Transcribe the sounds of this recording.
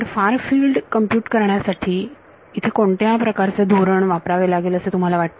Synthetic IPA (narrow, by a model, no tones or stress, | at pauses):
əɾfaɾfilɖkəmpjuːʈkəɾɳjasaʈʰiː | it̪ʰekoɳʈjapɾəkaɾt͡sed̪ʱoɾəɳʋapɾaʋelaɡeləset̪um̤alaʋaʈ̚t̪ə